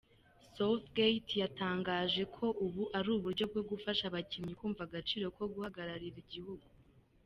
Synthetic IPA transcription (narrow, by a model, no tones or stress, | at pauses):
soθɡejtjataːŋɡaːʒe̞kʰo̞ʔuβuʔaɾuːβuɾɟo̞b̚ɡo̞bɡufaʃaβacimɲikuːɱvaɡat͡ʃiːɾo̞ko̞ɡuhaɡaɾaɾiɾiɟihuɡu